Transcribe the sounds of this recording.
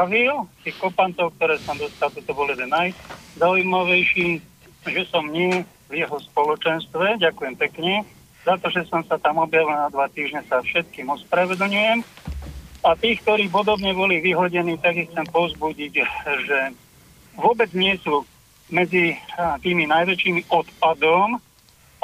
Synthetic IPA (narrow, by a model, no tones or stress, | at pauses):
aʋilt̪iːxkɔpant̪ɔʊk̚t̪ɔɾɛːsamd̪ɔst̪alt̪ɔt̪ɔbɔljɛd̪ɛnːajzaːujmaʋɛjʃiː | ʒɛsɔmɲɪɛ | vjɛɦɔspɔlɔt͡ʃɛnst̪ʋɛɟakujɛmpɛkɲɛ | zat̪ɔʒɛsɔmsat̪amɔbjaʋilnad̪ʋat̪iːʒɲɛsafʃɛt̪̚kiːmɔspɾaʋɛd̪l̩ɲujɛm | at̪iːk̚t̪ɔɾiːp̬ɔd̪ɔbɲɛbɔliʋiɦɔɟɛniːt̪aɡixt͡sɛmpɔzbuɟiɟʒɛ | ʋʊɔbɛd͡zɲɪɛsu | mɛd͡zit̪iːminajʋɛt͡ʃiːmɔt̪pad̪ɔm